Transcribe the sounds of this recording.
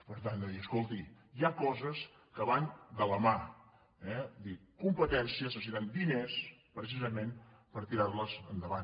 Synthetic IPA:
pəɾt̪and̪əðiəskolˠt̪i | jakɔzəs | kəβand̪ələma | ɛd̪ikumpət̪ɛnsiəsəsiɾand̪inespɾəs̬izəmenpəɾt̪iɾaɾləzənd̪əβan

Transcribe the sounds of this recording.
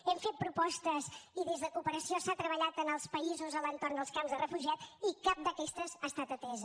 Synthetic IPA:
ɛmfet̪̚pɾupɔst̪əziðezðəkupəɾəsiosat̪ɾəβəʎat̪ənəlˠspəizuzəlˠənt̪oɾnd̪əlˠskamzðərəfuʒiat̪ikap̚d̪əkɛst̪əzast̪at̪ət̪ɛz

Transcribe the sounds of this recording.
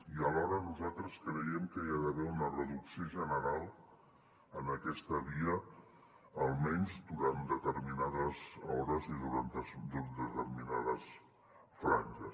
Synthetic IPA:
iəlɔɾənuzalˠt̪ɾəskɾəjɛmkəiaðəβɛunərəðuksioʒənəɾalˠ | ənəkɛst̪əβiə | əlˠmɛɲzd̪uɾand̪ət̪əɾminaðəzɔɾəziðuɾant̪əsd̪ud̪ət̪əɾminaðəs | fɾanʲʒəs

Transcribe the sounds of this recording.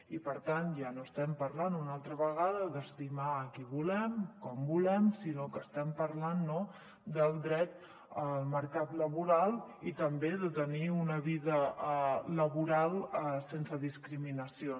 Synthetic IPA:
ipəɾt̪anʒanoəst̪ɛmpəɾlanunalˠt̪ɾəβəɣaðəðəst̪imaəkiβulɛmkɔmbulɛmsinokəːst̪ɛmpəɾlanːo | d̪əlˠd̪ɾɛt̪ | əlˠməɾkat̪ləβuɾalˠit̪əmbeðət̪əniunəβiðə | ləβuɾalˠsensəðiskɾiminəsio

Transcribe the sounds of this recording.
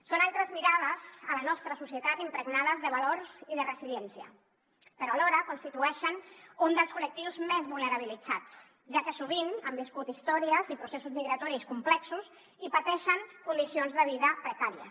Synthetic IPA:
sonalˠt̪ɾəzmiɾað̞əzələnɔst̪ɾəsusiət̪at̪impɾəɡnaðəzðəβ̞aloɾziðərəziliɛnsiə̰ | pəɾɔalɔɾəkunst̪it̪uɛʃənund̪əlˠskulək̚t̪iwzmezβulˠnəɾaβ̞ilid͡zat͡s | ʒakəsuβ̞inəmbiskut̪ist̪ɔɾiəzipɾusesuzmiɣɾat̪ɔɾiskumplɛksuz | ipat̪ɛʃəŋkund̪isionzðəβ̞iðəpɾəkaɾiə̰s

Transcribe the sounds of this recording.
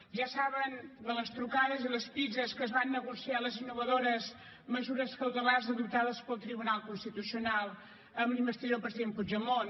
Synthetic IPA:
ʒasaβənd̪ələst̪ɾukaðəziləspizəskəzβanːəɣusialəzinːuβəðoɾəz | məzuɾəskəwt̪əlarzəðup̚t̪aðəspəlˠt̪ɾiβunalˠkunst̪it̪usiunalˠ | əmlimbəst̪iðopɾəziðempud͡ʒəmon

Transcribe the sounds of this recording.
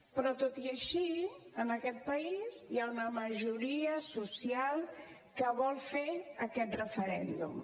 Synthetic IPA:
pɾɔt̪ot̪iaʃiəmakɛt̪̚pɐiziaunɐmaʒuɾiɐsusjal | kəβɔlfeɾɐkɛt̪rəfəɾɛ̰nd̪ṵm

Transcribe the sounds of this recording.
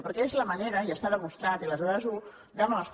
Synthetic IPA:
pəɾkɛezləməneɾəiəst̪aðəmust̪ɾat̪iələzɔɾəzu | d̪əmɔst̪

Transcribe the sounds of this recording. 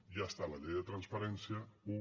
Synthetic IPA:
ʒaəst̪alɐʎejðət̪ɾənspəɾɛnsiəu

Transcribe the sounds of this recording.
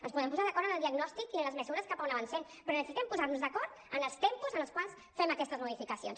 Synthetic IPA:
ənspuðɛmpuzaðəkɔɾənəlˠd̪iəɡnɔst̪ikiənləzmɛzuɾəskapaunəβənsɛnpɾɔnəsit̪ɛmpuzaɾnuzðəkɔɾt̪ | ənəlˠst̪ɛmpuzənəlˠskwalˠs | fɛməkɛst̪əzmuðifikəsions

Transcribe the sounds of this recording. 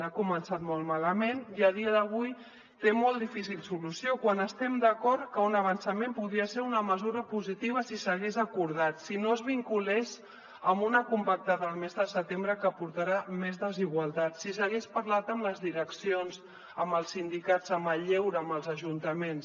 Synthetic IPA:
akumənsat̪molˠmaləmeniəð̞iəðəβ̞uj | t̪emolˠt̪d̪ifis̬ilˠsulusiokwanəst̪ɛmd̪əkɔɾt̪kəunəβ̞ənsəmempuðɾiəseɾunəməzuɾəpuzit̪iβ̞əsisəɣezəkuɾðat̪sinoəzβiŋkulɛʃ | əmbunəkumpək̚t̪aðəːlˠmezðəsət̪embɾəkəpuɾt̪aɾamezðəziɣ̞wəlˠt̪at̪sisəɣespəɾlat̪əmləzðiɾəksionz | əməlˠsːind̪ikatzəməʎɛwɾəːməlˠzəʒunt̪əmens

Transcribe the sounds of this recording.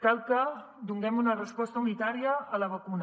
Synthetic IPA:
kalˠkə | d̪uŋɡɛmunərəspɔst̪əunit̪aɾiəːləβəkun

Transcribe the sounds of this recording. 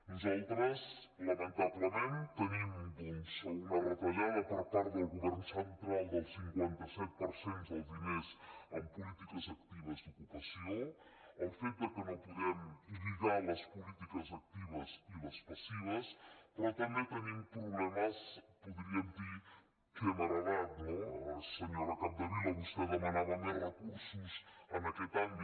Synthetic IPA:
nuzalt̪ɾəz | ləmənt̪aβləmẽnt̪ənimb̪insunərət̪aʎaðəpəɾt̪aɾðəlˠɣuβɛɾnsənt̪ɾalˠd̪əlˠsiŋkwant̪əsɛt̪̚pəɾsonzalˠzimezəmpulit̪ikəzakt̪iβəzd̪ukupəsioəlfet̪̚d̪əkomopuðɛmiβiðalɐspulit̪ikəzak̚t̪iβəsiβəspasiβəspɾɔt̪ambet̪enimpɾuβlɛmɐspuðɾiəmd̪i | kəmaɾalaðoseɲoɾakap̚d̪əβilaβust̪aðəmanaðamerəkuɾsuzənakɛt̪ambi

